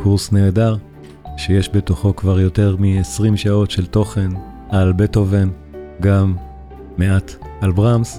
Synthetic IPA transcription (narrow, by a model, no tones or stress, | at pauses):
kʰuʁsne̞ːdaʁ | ʃejeʃbe̞toχo̞kvaʁjo̞te̞ʁmiesʁimʃao̞tʃe̞lto̞χe̞n | albeto̞ve̞n | ɡamː | eatalbʁams